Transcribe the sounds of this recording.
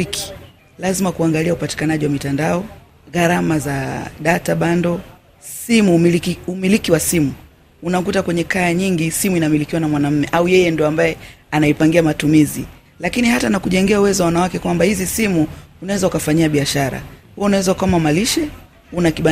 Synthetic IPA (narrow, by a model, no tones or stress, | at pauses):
ki̥ | lazimakuaŋɡaliaupati̥kanaʄiwamitandaɔ | ɣaɾamazaɗataɓandɔ | simuumilikiwasimu | unakutakwɛɲɛkajaɲiŋɡisimuinamilikiwanamwanam̩mɛʔaujɛjɛndiɔambajɛ | anaipaŋɡiamatumizi | lakinihatanakuʄɛŋɡiɛauwɛzɔwawanawakɛkwambahizisimuunawɛzaukafaɲiaɓiaʃaɾa̰huɔunawɛzaukaamamaliʃɛ | unakiɓa